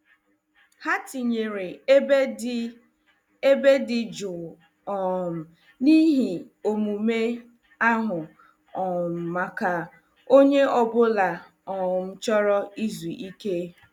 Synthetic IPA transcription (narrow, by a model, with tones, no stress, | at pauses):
ha˦ti˨ɲe˨ɾe˨˦ | e˦be˦dɪ˨d͡ʒʊ˨ | ɔ˨m̩˨ | ni˦ɦi˨ | o˨mu˨me˦ | a˦ɦʊ˨ | ɔ˨m̩˨ma˨ka˨ | o˦ɲe˦ɔ˨bʊ˦la˨ | ɔ˨m̩˦t͡ʃɔ˦ɾɔ˦i˦zu˨ʔi˦ke˦